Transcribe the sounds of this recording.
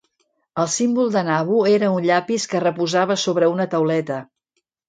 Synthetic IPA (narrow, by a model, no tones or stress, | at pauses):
əlˠsimbulˠd̪ənaβueɾəunʎapiskərəpuzaβ̞əsoβɾəunət̪əwlɛt̪ə